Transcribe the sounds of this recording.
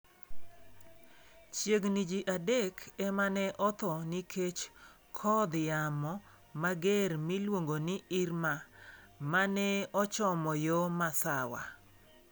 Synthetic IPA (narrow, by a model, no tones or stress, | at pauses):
t͡ʃjeɡnid͡ʒiʔadekɛmanɛʔɔt̪ɔnikʰet͡ʃ | kʰɔd̪jamɔ | maɡɛɾmilwoŋɡonɪɪɾma | manɛɔt͡ʃɔmɔjomasawa̰